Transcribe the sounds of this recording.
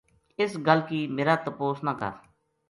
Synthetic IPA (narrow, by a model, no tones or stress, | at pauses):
ɪsɡəlkiːmeːɾaːt̪əpoːsnaːkə̰ɾ